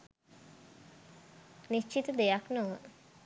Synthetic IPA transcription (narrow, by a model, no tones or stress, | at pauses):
niʃt͡ʃit̪əd̪ejaknoʋə